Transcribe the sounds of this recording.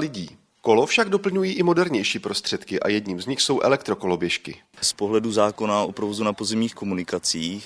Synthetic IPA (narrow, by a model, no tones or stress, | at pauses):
lɪɟiː | ko̞lofʃaɡdo̞pl̩ɲujiːʔɪmo̞dɛɾɲɛjʃiːpɾo̞st̪r̝̥ɛt̪kɪʔa̰jɛdɲiːmzɲɪxso̞wʔɛ̰lɛk̚t̪ɾo̞ko̞lo̞bjɛʃkɪ̰ | spo̞ɦlɛduzaːko̞naʔopɾovozunapozɛmɲiːxko̞munɪkat͡siːx